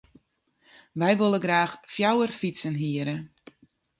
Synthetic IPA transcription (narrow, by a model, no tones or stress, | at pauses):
ʋɛjʋolˠəɡraːxfjawərfitsənɦiəɾə